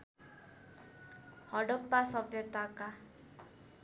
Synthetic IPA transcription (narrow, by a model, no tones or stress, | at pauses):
hɔɖɔpːasɔbjɔt̪waka